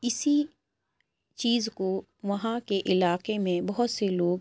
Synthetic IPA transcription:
ɪsi | t͡ʃiːzko | ʋɐɦãkeʔɪlaːqemẽbɐɦʊt̪seloːɡ

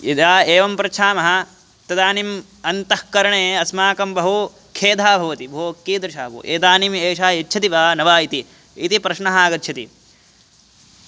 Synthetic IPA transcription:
id̪aːeːʋɐmpɾɐt͡ʃʰaːmɐɦɐ̆ | t̪ɐd̪aːnim | ɐnt̪ɐhkɐɾɐɳeːɐsmaːkɐmbɐɦu | kʰeːd̪ʱaːbʱɐʋɐt̪ibʱoːɐkːiːd̪ɾɐʃaːpṵːʔḛːt̪aːnimeːʃaːjɐtːt͡ʃʰɐt̪iʋaːnɐʋaːit̪iː | t̪ipɾɐʃɳɐɦaːɡɐt̪ːʃʰɐt̪i

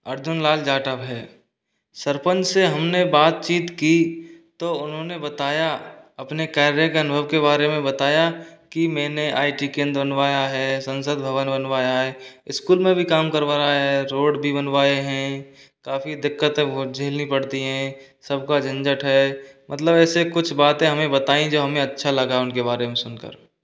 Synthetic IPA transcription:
əɾd͡ʒʊnlaːld͡ʒaːʈəpɦɛː | səɾpə̃nt͡ʃseɦɐmnebaːt̪̚t͡ʃiːt̪kit̪oʊnɦõnebət̪aːjaɐpnekaːɾɾjekeɐənʊbʱəʋkeβaːɾemẽbət̪aːjakimɛ̃ːneʔa̰ːiʈikẽːnd̪ɾbənʋaːjaɦɛːsə̃nsəd̪̚bʱəʋənbənʋaːjaɦɛːɪskuːlmẽbʱikaːmkəɾʋaːɾaɦɛɛɾoːɽbʱibənʋaːeɦɛ̃ | kaːfid̪ɪkːət̪d͡ʒʱeːlnipɐɽt̪iɦɛ̃ | səb̚kad͡ʒɐ̃nd͡ʒəʈɦɛːmʔət̪ləbɛːsekʊt͡ʃʰbaːt̪ẽɦɐmẽbət̪aːĩd͡ʒoːɦɐmẽɐtːʃʰalɐɡaʊnkebaːɾemẽsʊnkə̰ɾ

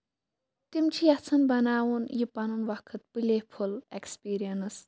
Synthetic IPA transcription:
t̪imt͡ʃʰijɐt͡sʰɐnbɐnaːwunjipɐnunʋɐkʰɨt̪̚pɨlʲehpʰulekspiːɾijɐnɨs

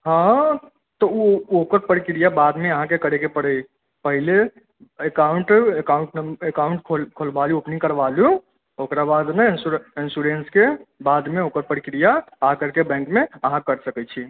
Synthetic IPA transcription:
ɦã | t̪ɔuokəɾpəɾikɾijabad̪meəɦãkekəɾekepəɽɛ | pəɦile | ekauɳʈekauɳʈnekauɳʈkʰokʰolbaluopnĩŋkəɾbalju | okɾabad̪nensuinsuɾenskebad̪meokəɾpəɾikɾijaəɦãkəɾkebɛ̃ŋkmeəɦãkəɾsəkɛt͡ʃʰi

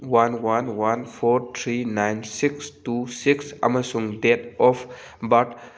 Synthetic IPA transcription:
wanwanwanfoːɾt̪ʰɾinãjnsɪksʈuːsɪksɐ̰məsũŋd̪et̪ɔf | bɐʈ

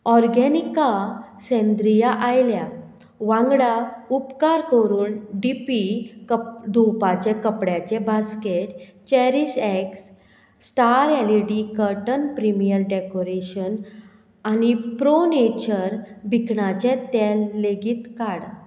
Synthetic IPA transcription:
ɔɾɡɛnikasɛ̃nd̪ɾijaʔajlja | ʋãŋɡɽaupkaɾkəɾuːnɖipikd̪ʱupat͡ɕɛ̃kəpɽjat͡ɕɛ̃baskeʈt͡ɕɛɾiseksː | ʈaɾɛliʈikəɾʈənpɾimijəɾɖekoɾeɕən | anipɾonet͡ɕəɾbʱikɳat͡ɕɛ̃t̪ɛlːeɡiːt̪kaɽ

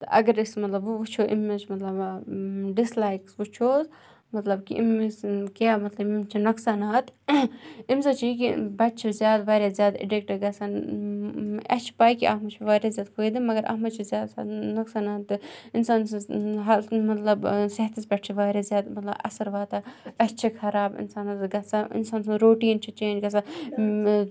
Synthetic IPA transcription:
t̪ɨʔɐ̰ɡɐɾismɐt̪lɐbuʋut͡ʃʰoːʔḭmːet͡ʃmɐt̪lɐb | ɖislaːjksʋut͡ʃʰoːs | mɐt̪lɐbkiʔimːeskʲaːmɐt̪lɐbimt͡ʃʰinɐksaːnaːt̪ | imsɐt͡ʃʰik̬ibɐt̪̚t͡ʃʰizjaːd̪ʋaːɾʲjaːzjaːd̪ḭɖek̚ʈɐɡɐsan | ɐ̰t͡ʃʰi̥paːjkiʔɐ̰ɦmɐt͡ʃʰiʋaːɾjazʲjaːd̪kʰoːjd̪imɐɡɐɾʔɐ̰ːɦmɐt͡ʃʰizjaːd̪sanɐksaːnaːt̪ːɨɪnsaːnsɐ̃ɦɐlmɐt̪lɐbsɐɦt̪isbɐʈt͡ʃʰiʋaːɾʲaːzʲjaːd̪mɐt̪lɐ̰bɐ̰sɐɾʋaːt̪aɐt͡ʃʰikʰɐɾaːbɪ̰nsaːnat̪ɡɐsaɪ̰nsaːnsɐ̃ɾoːʈiːnt͡ʃʰit͡ʃeːnd͡ʒɡɐsa

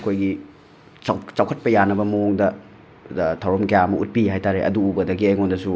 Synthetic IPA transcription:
kʰojɡi | at͡ʃawkʰɐt̚pɐjanɐbɐmɐoŋdɐ | tʰawɾɐmkɐjamɐʔut̚piɦajtaɾeʔɐ̰duːbɐdɐɡiɐjŋondɐsu

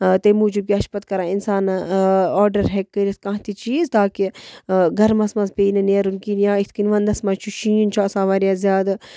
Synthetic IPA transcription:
t̪emuːd͡ʒub̚kʲiɐʃpɐt̪̚kɐɾãːinsaːnɔːɖɐɾɦekːəɾit̪kãːɦt̪it͡ʃiːzt̪aːkiɡʱɐɾmɐsmɐzpʲeːnɨneːɾunkinjaːit̪ʰkinʲʋɐnd̪ɐsmat͡ʃʰuʃĩːnt͡ʃʰasãːʋaːɾijaːzʲjaːd̪

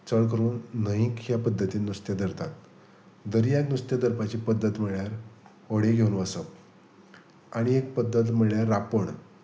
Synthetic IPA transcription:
t͡səɭkəɾuːnːəɦĩkjapəd̪ʱːət̪iːnust̪jad̪əɾt̪at̪̚ | d̪əɾjaknust̪jad̪əɾpat͡ɕiːpəd̪ːət̪m̤əɭjaɾ | əɽeɡʱeunʋəsəp | aɽ̃iek̚pəd̪ʱːət̪̬m̤əɭɭjaɾːapəɳ

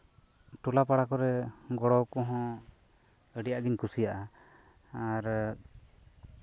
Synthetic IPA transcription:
ʈulapaɽakɔɾɛɡɔɽɔwkɔɦɔ̃ | əɽijaʔɡiɲkusijaʔa | aɾ

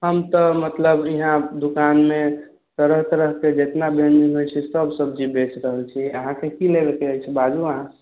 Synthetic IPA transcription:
ɦəmt̪əmət̪ləbiɦãd̪ukanme | t̪əɾəɦt̪əɾəɦked͡ʒet̪nabʱeniɦojt͡ʃʰisəbsəb̚d͡ʒibet͡ʃɾəɦəlt͡ʃʰiəɦãkekilebekeat͡ʃʰɛbad͡ʒuəɦã

